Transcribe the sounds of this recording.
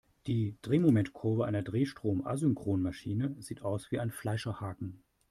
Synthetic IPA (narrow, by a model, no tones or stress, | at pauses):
d̥iːd̥ʁeːmomɛntkʰʊɐvəʔa̰ɪnɐdʁeːʃtʁ̥oːmʔa̰zʏŋkʁ̥oːnmaʃiːnəziːtʔaʊsv̥iːaɪnflaɪʃɐhaːkŋ̩